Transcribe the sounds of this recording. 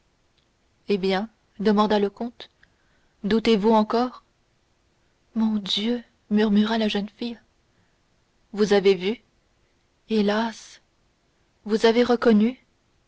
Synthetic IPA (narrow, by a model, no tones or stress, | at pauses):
ebjɛ̃ | d̪əmɑ̃d̪aləkɔ̃t̪ | d̪ut̪evuɑ̃kɔːʁ | mɔ̃d̪jø | myʁmyʁalaʒənfij | vuzavevy | elas | vuzaveʁəkɔny